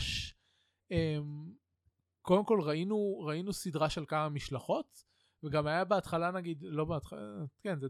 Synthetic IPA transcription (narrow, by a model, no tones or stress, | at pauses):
ʃ | em | ko̞demko̞lʁainuʁainusidʁaʃe̞lkamamiʃlaχo̞t | veɡamajabeat̪χalanaɡid̪lo̞beat̪χakenze